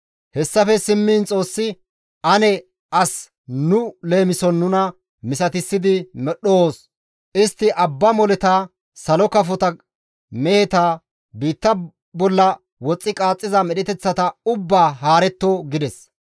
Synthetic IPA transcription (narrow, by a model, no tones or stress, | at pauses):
hɛsːɐfɛsɪmːiːnt͡sʼo̞ːsːɪ | ʔɐnɛ | ɐs | nʊle̞ːmɪsɔnːʊnɐ | mɪsɐt̪ɪsːɪd̪ɪmɛɗoːs | ʔɪst̪ːɪʔɐbːɐmɔlɛt̪aː | sɐlɔkɐfɔt̪ɐ | mɛhɛt̪aː | biːt̪ːɐ | bɔlːɐ | wɔt͡sʼːɪkʼaːt͡sʼːɪzɐmɛɗɛt̪ɛt͡sːɐt̪ɐʊbːaːɦaːɾɛt̪ːoɡɪd̪ɛs